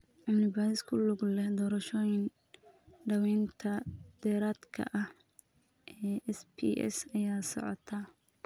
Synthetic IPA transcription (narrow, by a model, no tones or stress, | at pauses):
ʕɑbnɪbaːjɪskʰʊlʊɡlɛhd̪ɔːɾɐʃɔːjɪn | ɖɐwɛːnt̪ʰɐd̪̥ɛːɾaːd̪kʰɐ̰ʔɐh | ʔɛːʔɛspʰḭʔɛ̰sɐjaːsɔ̰ʕɔ̰t̪ʰa